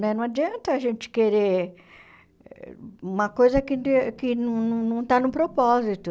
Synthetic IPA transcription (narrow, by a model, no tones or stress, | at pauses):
mẽnɐ̃ad͡ʒiɐ̃nt̪ɐːʒẽnt͡ʃɪ̥keɾe | ũmɐkojzɐkɪkɪnɐ̃nũnɐ̃w̃t̪anʊ̃pɾopɔzit̪ʊ